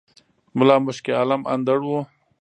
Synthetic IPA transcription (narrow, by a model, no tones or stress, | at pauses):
mʊlɑːmʊʃkealama̰nd̪aɽwu